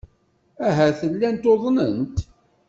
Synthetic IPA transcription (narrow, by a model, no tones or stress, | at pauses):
æɦæθəlːænt̪oðˤnənt̪